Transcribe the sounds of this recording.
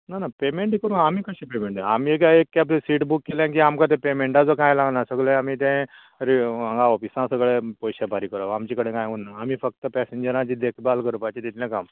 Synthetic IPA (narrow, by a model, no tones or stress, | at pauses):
nanapemeɳʈikəɾũːamiːkəɕĩːpemeɳʈeamiek̬aekːaplesiːʈbukːelãk̬iamkãt̪̬ẽpemeɳʈad͡zokãjlaɡnasəkleamit̪̬ẽ | ɾiaŋɡaɔfisãsəɡɭepɔjɕabʱaɾikəɾaamt͡ɕikəɽẽkãjunːaːmiːfək̚t̪əpɛseɲd͡ʑəɾãt͡ɕiːd̪ekʰbalkəɾəpajt͡ɕet̪it̪ʰlãkam